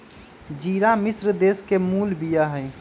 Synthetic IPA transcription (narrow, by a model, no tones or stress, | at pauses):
d͡ʒiɾamisɾd̪eskemuːlbijaɦəj